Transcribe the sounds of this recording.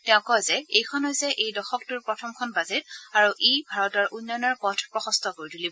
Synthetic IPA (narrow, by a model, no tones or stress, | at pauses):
tɛʊ̃kɔjzɛejkʰɔnɔjzɛʔejdɔxɔk̚tʊɹpɹɔtʰɔmkʰɔnbazitaɹuʔejbʱaɹɔtɔɹʔunːɔnɔɹpɔtʰpɹɔxɔ̃stʰɔkoɹituli